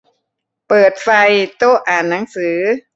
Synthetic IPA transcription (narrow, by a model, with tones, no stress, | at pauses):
pɤː˨˩t̪̚fa˧jt̪oː˥˩ʔaː˨˩nːa˩˦ŋsɯː˩˦